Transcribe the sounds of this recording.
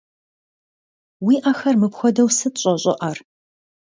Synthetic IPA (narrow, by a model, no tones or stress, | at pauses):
wiːʔaxɐrmɨpxʷɔdɐwsɨtɕʼɔɕʼɔ̰ʔɐr